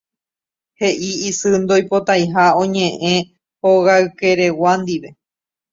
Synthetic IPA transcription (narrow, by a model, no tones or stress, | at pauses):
he̞ʔiːsɨnd̪o̞jpo̞t̪ajɦaõ̞ɲẽ̞ʔẽ̞ | hoɣaɨke̞ɾe̞wand̪iʋe̞